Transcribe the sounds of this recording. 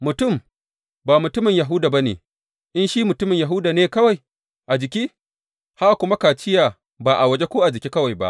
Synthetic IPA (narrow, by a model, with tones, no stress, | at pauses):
mʊ˨tʊ˦˨m | baː˨mʊ˨tʊ˦mɪ˨ɲja˨ɦʊ˦daː˨ba˦nḛː˨ | ʔɪ˦nʃi˦mʊ˨tʊ˦mɪ˨ɲja˨ɦʊ˦daː˨neː˦kɐ˦wa˨j | ʔa˨d͡ʒɪ˨kʲiː˦ | ha˦˨kʷʊ˦ma˦kaː˨t͡ʃɪ˦jaː˨ | baː˨ʔa˨wɐ˦d͡ʒe˦kʷoː˦ʔa˨d͡ʒɪ˨kʲiː˦kɐ˦wa˨jba̰˦ʔ